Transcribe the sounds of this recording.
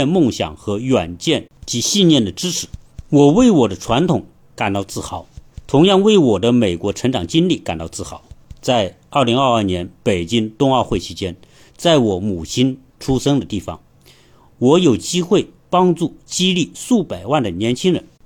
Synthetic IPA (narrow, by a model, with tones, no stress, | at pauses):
nmʊ˥˩ŋɕjɑ̰˨˩ŋxɤ˧˥ɥa˨˩nt͡ɕjɛ˥˩nt͡ɕi˧˥ɕi˥˧nnjɛ˥˩nd̪ə˩ʈ͡ʂɻ̩˥ʈ͡ʂʰɻ̩˨˩˦wɔ˨˩we˥˩ɪwɔ˨˩d̪ə˦ʈ͡ʂʰwa˧˥nt̪ʰʊ˨˧˥ŋ | ka˨˩nt̪ɑ˥˧ʊt͡sɹ̩˥˩xɑ˨˩˦ʊt̪ʰʊ˧˥ŋjɑ˥˧ŋwe˥˩ɪwɔ˨˩d̪ə˦me˨˩ɪkwɔ˧˥ʈ͡ʂʰɤ˧˥ŋʈ͡ʂɑ˨˩ŋt͡ɕi˥nli˥˩ka̰˨˩nt̪ɑ˥˧ʊt͡sɹ̩˥˩xɑ̰˨˩˦ʊt͡sa˥˧ɪ | ɐ˞˥˩li˧˥ŋɐ˞˥˧ɐ˞˥˩njɛ˧˥npe˨˩ɪt͡ɕi˥ŋt̪ʊ˥ŋɑ˥˧ʊxwe˥˩ɪt͡ɕʰi˧˥t͡ɕjɛ˥n | t͡sa˥˩ɪwɔ˧˥mu˨˩t͡ɕʰi˥n | ʈ͡ʂʰu˥ʂɤ˥ŋd̪ə˨t̪i˥˩fɑ̰˨˩ŋ | wɔ˧˥jo˨˩ʊt͡ɕi˥xwe˥˩ɪ | pɑ˥ŋʈ͡ʂu˥˩t͡ɕi˥li˥˩su˥˩pa˨˩ɪwa˥˩nd̪ə˩njɛ˧˥nt͡ɕʰi˥ŋɻə̰˧˥˦n